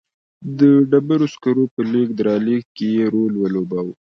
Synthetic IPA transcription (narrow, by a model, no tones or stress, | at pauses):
d̪əɖabaɾoskaɾopəlik̚d̪əɾɑlikkejeɾolwəlobaw